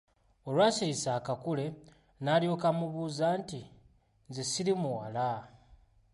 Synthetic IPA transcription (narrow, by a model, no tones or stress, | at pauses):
o̞lwaːsiɾisaːkakule̞ | naljo̞kamuβuːzanti | nzesiɾimuwala